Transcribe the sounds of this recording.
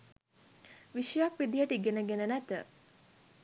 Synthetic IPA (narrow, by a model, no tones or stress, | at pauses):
ʋiʃəjakʋid̪ijəʈiɡenəɡenənæt̪ə